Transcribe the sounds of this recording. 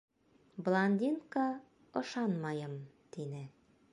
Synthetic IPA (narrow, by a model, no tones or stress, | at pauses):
blˠanʲd̪ʲinkɑ | ŏʃɑnmɑjɤmt̪inɘ